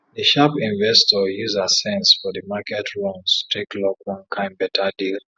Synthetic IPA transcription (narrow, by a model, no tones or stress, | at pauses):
ðəʃapĩnvɛstɔjuzasɛ̃nsfɔðəmakɛtʰɹɔ̃nstɹeklɔkwɔ̃nkʰãɪ̃mbɛtʰadil